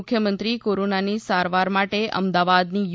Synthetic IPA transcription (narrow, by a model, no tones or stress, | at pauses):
kʰjəmənt̪ɾikoɾonanisaɾʋaɾmaʈeʔə̰md̪aʋad̪nij